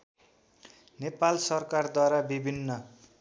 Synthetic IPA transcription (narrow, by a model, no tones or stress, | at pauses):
nepalsʌrkard̪waɾabibʱinːʌ